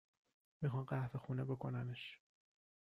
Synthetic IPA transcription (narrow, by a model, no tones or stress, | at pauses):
mixɒːmɢæhfexuːnebe̞kʰo̞næneʃ